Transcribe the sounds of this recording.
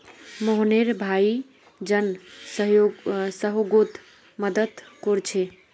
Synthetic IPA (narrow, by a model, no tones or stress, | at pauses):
moɦneɾbʱai | d͡ʒənsəɦjosəɦoɡot̪ | məd̪əd̪koɾt͡ʃʰe